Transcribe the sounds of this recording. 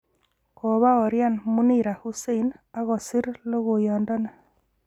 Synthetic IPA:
ko˨βa˦o˨ɾja˦˨nmu˦ni˨ɾa˨hu˦se˦na˦ɣo˨si˦ɾlo˦ɣo˨jɔ˨ndɔ˦na˨

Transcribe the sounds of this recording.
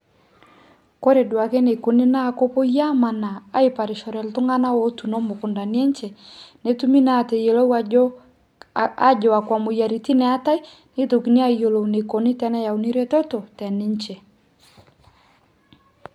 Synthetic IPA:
ko˦ɾe˨dwa˨kɛ˦ne˨ko˨ni˦na˦˨ko˦po˦ja˦ma˨na˨a˦i˨pa˨ɾɪ˨ʃɔ˨ɾɛ˨ltʊ˦ŋa˦na˦wɔ˦tu˨nɔ˦mo˨kʊ˨nda˨ni˦ɛ˦ɲt͡ʃɛ˨ne˦tu˦mi˦na˦˨te˨je˨lo˦ | a̰˦d͡ʒɔ˨a˨kwa˨mo˨ja˨ɾi˨ti˦nɛ˨a˦ta˦i˦ | ne˦to˨ki˨ni˦a˦˨jo˨lo˨une˨ko˨ni˦tɛ˦nɛ˦ja˨u˨ni˦ɾe˦tɔ˦to˨tɛ˨nɪ˦ɲt͡ʃɛ˨

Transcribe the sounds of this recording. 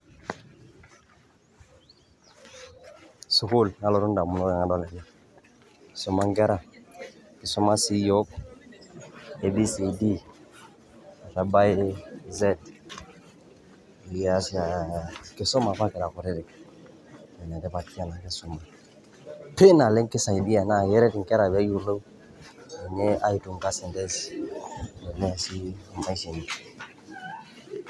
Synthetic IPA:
su˨ku˦lŋa˦lo˨ɾu˦nda˨mu˨no˦e˨ŋa˨˦do˦le˨na˦ | ksu˦ma˦ŋɡe˦ɾa˨ | ke˨so˦ma˦si˦jo˦p | e˨bi˦si˨di˦ | a˨ta˨ba˦jze˦d | ja˦si˦a˨ke˨so˦ma˨fa˦ke˨ɾa˨ko˨ɾe˦ɾi˨k | e˨na˨de˦pa˨t̚ki˦a˦na˨ke˦su˦ma˨ | pe˦na˨le˦ŋke˦sa˨i˨di˦ja˨na˦˨je˦ɾe˦ti˨ŋke˦ɾa˨be˦ju˨ɾlə˦w | i˨ɲe˦a˦ji˨tu˨ŋka˦se˨nte˦s | le˨le˦a˨si˦ma˦i˦si˨ni˨

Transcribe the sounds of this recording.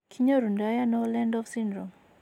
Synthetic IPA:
kʰi˦ɲo˦ɾu˨ndaja˦nɔ˦lɛ˦ndɔ˦fsi˦ndɾɔ˨m

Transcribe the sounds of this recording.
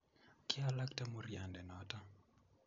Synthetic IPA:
kɪala˦kta˦morja˨ndɛ˨nɔta˦

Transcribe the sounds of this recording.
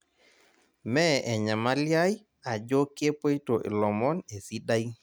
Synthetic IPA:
mɛ˦ʔɛ˨ɲa˨ma˦lja˦j | a˨d͡ʒo˦kːe˦po˦jtɔ˨ʔḭ˨lɔ˨mɔ˦ne˨si˦ɗa˦j

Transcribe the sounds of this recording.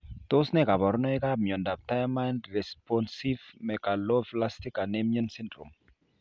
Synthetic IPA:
t̪ʊ˦snɛ˦˨ka˨bɔ˨ɾnɔ˦ɪ˦ka˦mjɔ˨nda˨p̚ta˦jma˦ndɾɛ˨spɔnsi˦vmɛka˨lɔ˦fla˦sti˦ka˨ne˦miɔ˦nsi˦ndɾṵ˨m

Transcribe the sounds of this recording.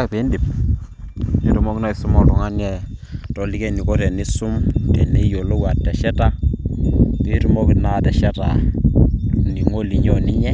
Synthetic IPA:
a˦kpe˨˦ndi˨p | ni˨˦tu˦mo˦kna˦i˨su˦mɔ˨tɔ˨ŋa˦njɛ˦tɔ˨li˦ke˦ni˨ko˦tɛ˨ni˦su˦mtɛ˨ne˦jo˨lo˦wa˨tːɛ˨ʃɛ˦ta˦ | pi˦ɾu˦mo˦ki˨na˦tɛ˨ʃɛ˦ta˨ | ni˨ŋo˦li˨˦ɲɔ˦˨ni˦ɲɛ˦

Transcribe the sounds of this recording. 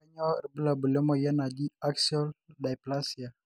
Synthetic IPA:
a˦ɲɔ˦˨ɾbə˦la˨bu˨lɛ˦mɔ˨ja˦na˨d͡ʒi˦a˦ksiɔ˦lda˨jpla˦si˨a˨

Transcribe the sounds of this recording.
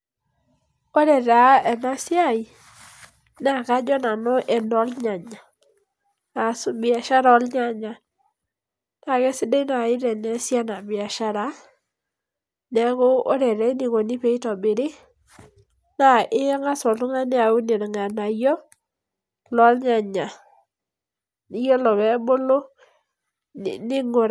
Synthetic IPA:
o˦ɾɛ˨ɾa˨˦ɛ˨na˦sja˦˨i˨ | na˦˨ka˦d͡ʒɔ˦na˨nɔ˦ʔɛ˨nɔ˦lɲa˨ɲa˨ | na˨sbɪ˨a˨ʃa˦ɾɔ˦lɲa˨ɲa˨ | na˨kɛ˦sɪ˦de˦na˨ɪ˦ɾɛ˨nɛ˦sja˦na˨bɪ˨a˨ʃa˦ɾa˨˦ | nɛ˨˦ko˦o˦ɾɛ˨ɾɛ˦ni˨ko˨ni˦pe˨˦i˦tɔ˨bɪ˨ɾɪ˦ | na˨ʔɪ˦ŋa˦sɔ˨tʊ˦ŋa˦ni˦a˨u˦ne˨ɾŋa˨na˨jɔ˦ | lɔ˦lɲa˨ɲa˨ | ni˦jɔ˦lɔ˨bɛ˨˦bo˦lo˦˨ | nɪ˦ŋo˨ɾ

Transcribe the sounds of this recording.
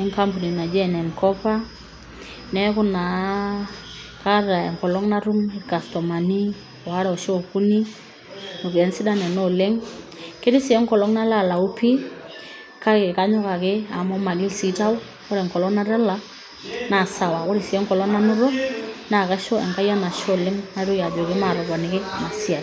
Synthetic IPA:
ɛ˦ŋka˦mpu˨ni˨na˨d͡ʒɛ˦˨nɛ˨ŋkɔ˦pa˦ | nɛ˦kʊ˦na˨ | ka˦ɾa˨ɛ̰˨ŋkɔ˨lɔ˦ŋna˦ɾu˦ŋɛ˨ka˨stɔ˨ma˨ni˦ | ɔ˨a˦ɾɛ˦˨ɔ˨ʃɔ˦ɔ˨ku˦ni˦ | ɔ˨kɛ˦nsɪ˦da˦nɛ˨nɔ˦lɛ˦ŋ | kɪ˦ɾɪ˦si˨ɛ˦ŋkɔ˨lɔ˦ŋna˦la˦˨la˨u˦pʰi˦ | ka˦kɪ˨ka˦ɲʊ˦ka˨kɪ˦a˨mɔ˦ma˨li˦lsi˦ta˦wʊ˦ | kɔ˦ɾɛ˨ŋkɔ˨lɔ˦ŋna˦ɾɛ˦la˦ | na˨sa˨wa˨kʊ˦ɾi˨si˨ɛ˦ŋkɔ˨lɔ˦ŋna˦nʊ˦ɾɔ˦na˦˨ka˦ʃɔ˦ɛ̰˨ŋka˦ja˦na˨ʃɔ˦˨lɛ˦ŋna˦ɾʊ˦ja˨d͡ʒɔ˨kɪ˦ma˨ɾɔ˨kɔ˨nɪ˨kɪ˦ma˨si˦a˨

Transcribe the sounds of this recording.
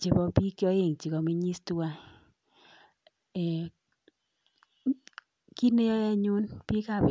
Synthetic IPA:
t͡ʃɪ˨bɔ˧pi˦kjɔ˦e˨ŋt͡ʃi˨kɔ˨mi˦ɲi˦stu˦wa˦˨ | ki˦ne˦jɔ˦jɛ˦ɲʊ˦npi˦ka˦˨bɪ˨

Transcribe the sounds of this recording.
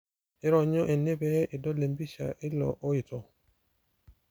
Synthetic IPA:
ɪ˦ɾɔ˨ɲo˦ʔe˨ne˦be˦ɪ˨dɔ˦le˨mbi˦ʃa̰˨ʔɪ˦lɔ̰˨ʔo˦ɪ˨tɔ˨

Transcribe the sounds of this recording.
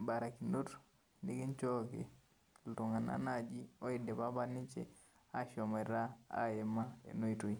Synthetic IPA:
ba˨ɾa˨kino˦t | ni˦ki˦nt͡ʃo˦kḛ˨ | ltu˨ŋa˨na̰˦nad͡ʒi˦o˦i˨dɛ˨pa˦ba˦ni˦t͡ʃḛ˨ | a˦ʃɔ˨me˨ɾa˦a̰˦je˨ma̰˦˨no˦i˨tu˨i

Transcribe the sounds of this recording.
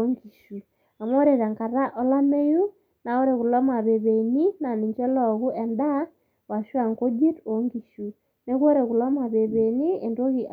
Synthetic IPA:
oŋɡi˨ʃu˨ | a˨m˦o˦ɾe˨ɾa˨ŋka˨ɾa˦ʔɔ˦la˦me˦ju˦ | na˨o˦ɾe˨ku˨lɔ˦ma˨βe˨βe˨ni˦na˨ni˨ɲt͡ʃɛ˦lɔ˨ɣu˦ɛ˨nda˦ | wa˨ʃwa˨ŋko˦d͡ʒi˦to˨ŋɡi˨ʃu˨ | ne˦kwo˦ɾe˨ku˨lɔ˦ma˨βe˨βe˨ni˦e˨ndo˦ɣi˨

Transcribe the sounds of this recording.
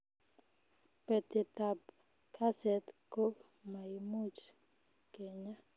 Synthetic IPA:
pɛ˨t̪ɪ˨t̪a˨b | kʰa˦sɛ˨t̪ko˦ | ma˨i˨mu˦t͡ʃ | ke˨ɲa˦

